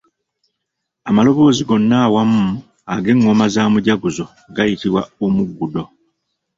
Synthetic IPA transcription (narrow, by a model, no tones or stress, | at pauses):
amalo̞βo̞ːziɡo̞nːaːwamːu | aɡe̞ŋːo̞mazaːmuɟaɡuzo̞ | ɡajitiβwaomuɡːudo̞